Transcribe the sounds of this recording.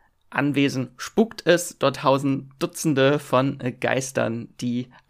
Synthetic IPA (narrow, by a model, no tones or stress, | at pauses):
ʔa̰nveːzn̩ʃpuktʰɛsd̥ɔɐtʰhaʊzn̩d̥ʊt͡sn̩dəfɔnɡ̥a̰ɪstɐ̰nd̥iː